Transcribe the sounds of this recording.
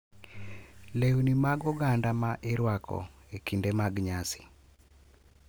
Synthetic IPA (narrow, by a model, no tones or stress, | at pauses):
leunimaɡɔɡandamaʔeɾwakʰɔ̰ekindemaɡɲasi̥